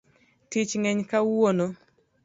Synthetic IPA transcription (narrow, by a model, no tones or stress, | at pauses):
tɪt͡ʃŋɛɲkawono